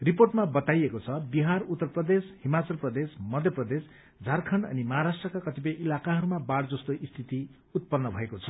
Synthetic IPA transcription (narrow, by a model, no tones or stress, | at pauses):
riporʈmabʌt̪ajekot͡sʰʌbiɦarut̪ːʌrprʌd̪eshimat͡sʌlprʌd̪esmʌd̪ʱjʌprʌd̪es | d͡zʱarkʰʌɳɖʌ̰nimʌɦaɾasʈrʌkakʌt̪ip̬ʌjʔilakaɦʌɾumabaɽd͡zʌst̪oʔist̪ʰit̪i | ut̪̚pʌnːʌbʱʌekot͡sʰʌ̥